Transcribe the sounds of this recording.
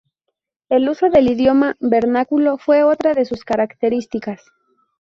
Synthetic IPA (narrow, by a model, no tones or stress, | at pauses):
e̞luso̞ðe̞liðjo̞maβe̞ɾnakulo̞fwe̞o̞t̪ɾaðe̞suskaɾakt̪e̞ɾist̪ikas